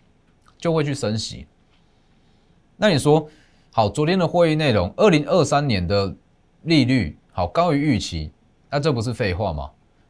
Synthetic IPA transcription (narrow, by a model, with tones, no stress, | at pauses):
t͡ɕjo˥˧ʊwe˥˧t͡ɕʰy˥˩ʂə˦nɕḭ˨˦ | na˥˩ni˨˩ʂwɔ˦ | xɑ˨˩ʊt͡swɔ˨˦t̪jɛ˦nd̪ə˨xwe˥˧i˥˧ne˥˩ɪlo˨˦ŋə˥˩li˨˦ŋʔə˥˧sa˦nnjɛ˨˦nd̪ə˨ | li˥˧ly˥˨˩ | xa˨˩ʊkɑ˥˦ʊy˧˦y˥˩t͡ɕʰḭ˨˦ | na˥˨t͡sɤ˥˨˩p̬u˨˦ʂ̬ɻ̩˥˧fe˥˧ɪxwa˥˨mɐ̰˩